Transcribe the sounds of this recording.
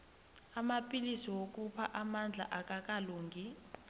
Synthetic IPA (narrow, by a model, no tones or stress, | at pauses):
amapʼilisiwok̬ʼupʰaʔamand͡ɮʱa̰ʔak̬ʼak̬ʼaluːŋʱi